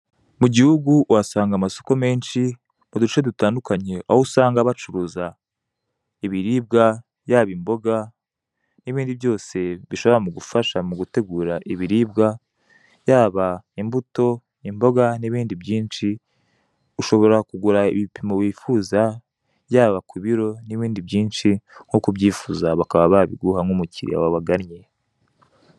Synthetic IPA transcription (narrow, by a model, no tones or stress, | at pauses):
muɟihuɡuwasaːŋɡamaso̞̥ko̞me̞ːnʃi | mudut͡ʃe̞dutaːndukaɲe̞ʔa̰wousaːŋɡaβat͡ʃuɾuːza | iβiɾiːb̚ɡa | jaːβimbo̞ɡa | niβiːndiβjo̞ːse̞βiʃo̞βoɾamuɡufaʃamuɡute̞ɡuːɾaʔiβiɾiːb̚ɡa | jaːβaimbuto̞ | imbo̞ɡaniβiːndibjiːnʃi | uʃo̞βo̞ɾakuɡuɾaḭβipʰimowiːfuza | jaːβakuβiɾo̞niβiːndibjiːnʃiŋ̥hukuβɟiːfuzaβakaβaβaβḭɡuhaŋumuciɾḭa̰waβaɡaɾɲe